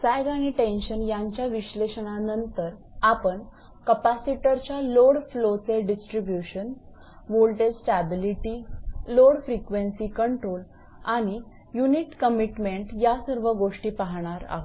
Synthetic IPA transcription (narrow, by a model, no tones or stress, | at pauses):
sajɡaɽ̃iʈenɕənjaɲt͡ɕjaʋiɕleɕəɳ̃anənt̪əɾ | apəɳ | kəpasiʈəɾt͡ɕjaloɽflot͡seɖisʈɾibjuɕən | ʋolʈesʈæbiliʈiloɽfɾikʋensikəɳʈɾol | aɽ̃i | juniʈkəmiʈmeɳʈjasəɾʋəɡoʂʈiːpaɦɽ̃aɾa̰ɦo